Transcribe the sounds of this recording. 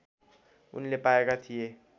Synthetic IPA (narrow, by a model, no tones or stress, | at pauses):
ṵnlepaekat̪ʰije